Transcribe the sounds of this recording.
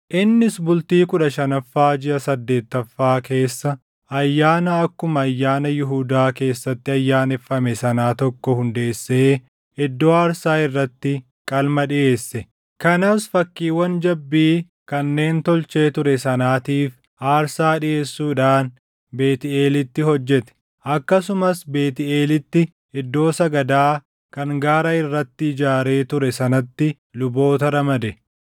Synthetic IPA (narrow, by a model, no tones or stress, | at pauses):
ʔɪnːɪsbʊlt̪iːkʊᶑɐʃɐnɐfːaːd͡ʒɪʔɐsɐd̪ːe̞ːt̪ːɐfːaːke̞ːsːɐ | ɐjːaːnɐɐkːʊmɐːjːaːnɐjɪɦʊd̪aːke̞ːsːɐt̪ːɪɐjːaːnɛfːɐmɛsɐnaːt̪ɔkːɔhʊnd̪e̞ːsːeː | ɪd̪ːoaːɾsaːɪrːɐt̪ːɪ | kʼɐlmɐᶑɪʔe̞ːsːɛ | kɐnɐsfɐkːiːwɐnd͡ʒɐbːiː | kɐnːe̞ːnt̪ɔlt͡ʃe̞ːt̪ʊɾɛsɐnaːt̪iːf | ʔaːɾsaːᶑɪʔe̞ːsːuːᶑaːn | be̞ːt̪ɪeːlɪt̪ːɪɦɔd͡ʒːɛt̪ɛ̥ | ʔɐkːɐsʊmɐsbe̞ːt̪ɪʔe̞ːlɪt̪ːɪ | ɛd̪ːo̞ːsɐɡɐd̪aː | kɐŋɡaːɾɐɪrːɐt̪ːɪɪd͡ʒaːɾe̞ːt̪ʊɾɛsɐnɐt̪ːɪ | lʊbo̞ːt̪ɐɾɐmɐd̪ɛ